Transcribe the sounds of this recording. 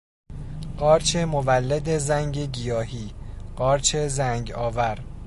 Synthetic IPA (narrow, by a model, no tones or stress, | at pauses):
ɢɒːɾt͡ʃʰe̞movælːed̪e̞zæŋɟeɟijɒːɦiːɢɒːɾt͡ʃʰe̞zæŋɟɒːvæɾ